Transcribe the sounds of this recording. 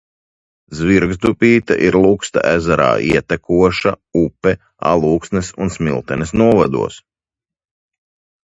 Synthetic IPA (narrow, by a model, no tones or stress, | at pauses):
zviɾɡzd̪upʲiːt̪a̰ʔiɾlˠukst̪a̰ʔæzaɾa̰ːʔiɛt̪ɛkuɔʃa | upɛ | a̰lˠuːksnɛsunsmʲilˠt̪ɛnɛsnuɔvad̪ṵɔs